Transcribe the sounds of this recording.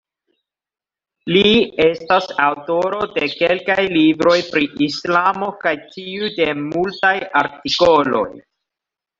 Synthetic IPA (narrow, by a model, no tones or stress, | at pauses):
lie̞stasawto̞ɾo̞de̞kelkajlibɾo̞jpɾiʔislamo̞kajtiude̞multajaɾtiko̞lo̞̰j